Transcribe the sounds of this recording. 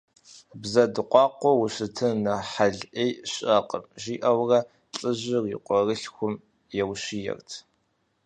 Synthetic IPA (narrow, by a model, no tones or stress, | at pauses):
bzɐdɨqʷʼɑːqʷɔwʊɕɪtʰɨnɐħaɮʔejɕʼɐqə̰mʒiːʔɐwrɐ | ɬʼɨʑɪrjḭqʷɔrɨɬxʷʊm | jɛwɕijɛ̰rtʰ